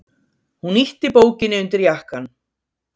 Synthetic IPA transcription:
huniht̪ɪpoːwcɪnːɪʏnt̪ɪɾjahkan

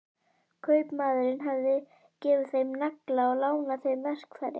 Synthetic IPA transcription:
kʰœːɥpmaːðʏɾɪnɦavðɪ | cɛːvʏθejmnaklaɔɣlaːwnaθejmvɛr̥kfaɾɪ̰

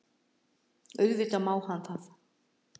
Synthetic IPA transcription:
œɥɣvɪt̪amaːwhanθaθ

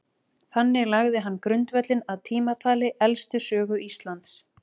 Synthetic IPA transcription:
θanːɪɣlaɣðɪɦanːkɾʏnt̪vɛt̪lɪnaðt̪ʰiːmat̪ʰaːlɪʔɛlst̪ʏsœːɣʏist̪lant̪s

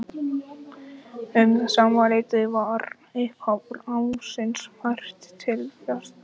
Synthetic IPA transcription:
ʏmsaːmaɾejt̪ɪvaɾ | ɪhkʰapʏlawsɪnshar̥t̪ːʰɪlfjast̪

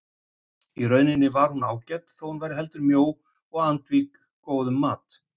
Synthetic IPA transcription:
irœɥnɪnɪvaɾ̥hunaːwcɛt̪θɔwhunvaːjɾɪɦɛlt̪ʏɾmjoːw | ɔɣant̪viːkː | oːwðʏmːaːt̪

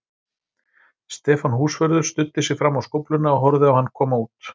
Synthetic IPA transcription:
st̪ɛːfanhuːsfœɾðʏɾ̥st̪ʏt̪ːɪsɛɣfɾamːawskɔwplʏnaɔɦɔɾðɪawhanːkʰɔːmauːt̪

